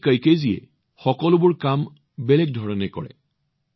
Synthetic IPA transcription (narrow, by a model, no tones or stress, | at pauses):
kajkeziɛ̰ | xɔkɔlʊbʊɹkam | bɛlɛk̚dʱɔɹɔnɛkɔ̰ɹɛ̰